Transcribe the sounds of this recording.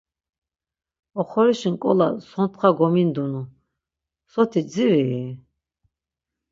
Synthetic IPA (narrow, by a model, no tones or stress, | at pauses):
ɔχɔɾiʃiŋkʼɔ̰la̰sɔnt̪ʰχaɡɔmind̪unu | sɔt̪ʰiziɾii